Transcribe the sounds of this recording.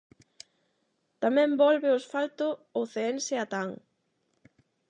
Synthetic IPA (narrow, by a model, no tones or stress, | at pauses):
t̪amɛ̃mbɔlβɪosfalt̪ʊoθeenseat̪aŋ